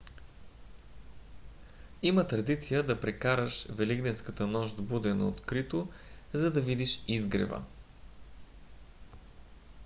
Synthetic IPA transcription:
imət̪ɾɐd̪it̪sijəd̪ɐpɾɛkaɾəʃvɛliɡnɛskət̪ənɔʒd̪bud̪ɛnə̰ot̪kɾit̪ozɐd̪ɐvid̪iʃizɡɾɛ̰və̰

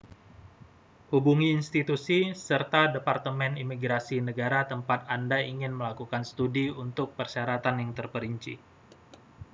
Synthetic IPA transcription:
hubuŋiːnst̪it̪usisərt̪adepart̪əmɛnimiɡɾasinəɡaɾat̪əmpat̪andaiŋɪnməlakukanst̪udiunt̪ʊk̚pərʃaɾat̪anjaŋt̪ərpəɾiɲt͡ʃḭ

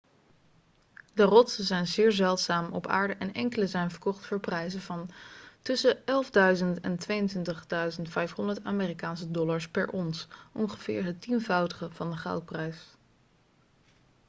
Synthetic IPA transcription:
dərɔtsəzɛjnzɪːɹzɛlˠtsaːmɔ̰pa̰ːɹdəʔɛnɛ̰ŋkələzɛjnvəɹkɔχtfʊːɹprɛjzəvɑntɵsəɛlˠvdœɥzəntɛntʋejəntʋɪntəχdœɥzəntfɛjfɦɔndəɹtaːmeːrikaːns̬ədɔlaɹspɛ̰ɹʔɔnsʔɔŋχəv̥ɪ̰ːɹɦətinvɑwtəχəvɑndəχɑ̰wt̚prɛjs

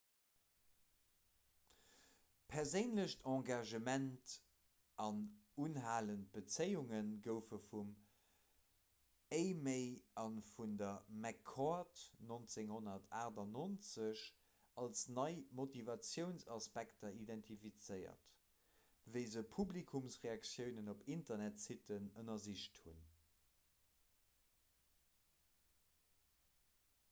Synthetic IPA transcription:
pʰɛʁzəɪnləɕtʰɑ̃ɡaʒəmænt | ʔɑnunɦaːlənt̚b̥ət͡səɪuŋənɡəʊfəfum | eɪmeɪɑnfundɐmɛkʰːɔɐtnont͡seŋhonɐtʰaːʁdɑnont͡səɕ | ɑlsnɑɪmotivɑt͡sjəʊnsɑspæktɐidɛntʰifit͡səɪɐ̰t | vəɪzəpʰublikʰumsʁeɑksjəʊnənopintɐnætsitʰənənɐziʃthun

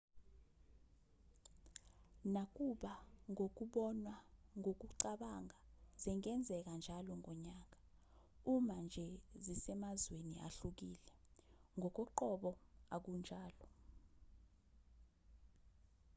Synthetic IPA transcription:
nak̬ʼuɓaŋok̬uɓɔnwaŋok̬uǀaɓaŋazɛŋɛnd͡zʱɛk̬and͡ʒʱalɔŋʱɔɲak̬ḁ | umand͡ʒʱɛzisɛmazwenia̰ɬuk̬iːlɛŋʱɔk̬ʼɔǃɔɓɔak̬und͡ʒʱaːlɔ

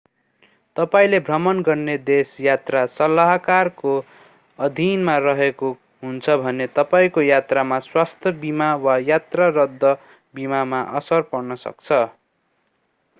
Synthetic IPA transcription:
t̪ʌpaĩlebʱrʌmʌnɡʌrned̪esjat̪rasʌlaɦkarko | ʌd̪ʱinmarʌɦeko | ɦunt͡sʰʌbʱʌnet̪ʌpaĩkojat̪ramaswast̪ʰjʌbimawajat̪rarʌd̪ʱːʌ | bimamaʔʌsʌrpʌrnʌsʌ̰k̚t͡sʰʌ

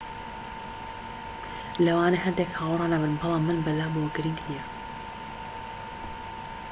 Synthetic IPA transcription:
lɐwaːnɐɦɐnd̪ekhaːwɾˤɑːnabɨbɑlˤɑmːɨnbɐlːaːboɡɨɾiŋɡhija

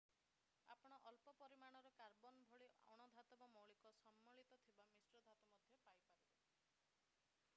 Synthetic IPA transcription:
a̰pɔɽ̃ɔʔɔlpɔpɔɾimaɽ̃ɔɾɔkaɾbɔnɔbʱɔɭiɔɽ̃ɔd̪ʱat̪ɔbamɔwɭikɔsɔmːɔɭit̪ɔt̪ʰibamisɾɔd̪ʱat̪ɔmɔd̪ʱjɔpajpaɾe

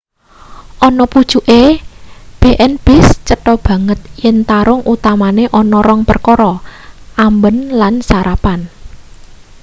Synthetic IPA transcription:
ʔɔnɔpud̥ʒ̥uʔe | b̥eʔɛnb̥ɪst͡ʃəʈɔb̥ä̤ŋət̪̚jɪnt̪aɾʊŋʔut̪amaneʔɔnɔɾɔŋpərkɔɾɔʔambənlansaɾapan

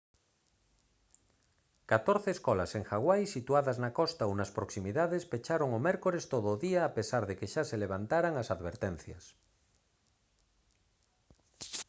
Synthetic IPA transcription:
kat̪oɾθeːskola̰seŋxaɣwajsit̪uaðaznakost̪aunaspɾoksimiðað̞espet͡ʃaɾoŋomeɾkoɾest̪oðoːðiaːpesaɾðekeʃaseleβ̞ant̪aɾaŋasaðβeɾt̪en̟θja̰s

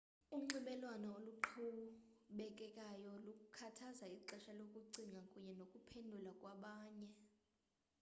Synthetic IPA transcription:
um̩ŋ͡ǀiɓɛlwanaoluǃʰuɓɛkʼɛkʼajɔlukʼukʰatʰazaiǃɛʃalokʼuǀiŋakʼuɲɛnokʼupʰendʱulakʼwaɓaːɲɛ

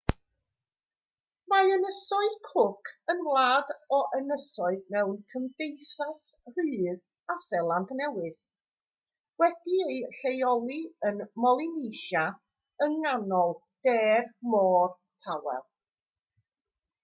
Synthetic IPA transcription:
maənəsɔɨðkʰʊkʰənlˠaːdɔʔənəsɔɨðnɛwnkʰəmdejθasr̥ɨːð | asɛlˠandnɛwɨð | wɛd̥iejɬejɔlˠiənmɔlˠinejʃa | əŋanɔlˠ | d̥ɛːrmɔːr | tʰawɛ̰lˠ

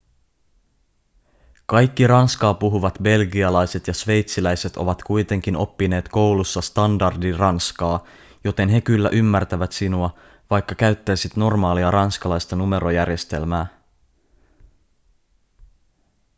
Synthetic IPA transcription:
kɑjkːirɑnskɑːpuɦuʋɑt̪be̞lɡiɑlɑjse̞t̪jɑsʋe̞jt̪silæjse̞t̪o̞̰ʋɑt̪kujt̪e̞ŋkino̞̰pːine̞ːt̪ko̞wlusːɑst̪ɑndɑrdirɑnskɑː | jo̞t̪e̞nɦe̞kylːæʔymːært̪æʋæt̪sinuɑ | ʋɑjkːɑkæɥt̪ːæjsit̪no̞rmɑːliɑɾɑnskɑlɑjst̪ɑnume̞ɾojærje̞st̪e̞̰lmæː

